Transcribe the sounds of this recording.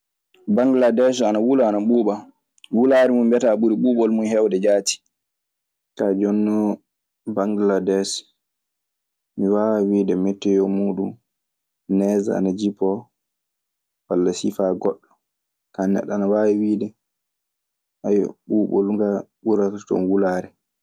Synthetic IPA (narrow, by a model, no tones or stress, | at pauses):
baŋɡladɛs̬anawulaːnaɓuːɓa | wulaɾimumbɛtaɓuɾiɓuːɓɔlmunhɛwdɛd͡ʒaːti̥ | kad͡ʒɔnːɔ | baŋɡladɛs | miwawidɛmɛtːɛjɔmuːɗum | nɛːza̰a̰nad͡ʒipːɔ | walːasifaɡɔɗːɔ | kanɛ̰ɗanawawwiːdɛ | ajɔ̰ɓuːɓɔ̰lŋɡaɓuɾakatɔ̰nwulaːɾɛ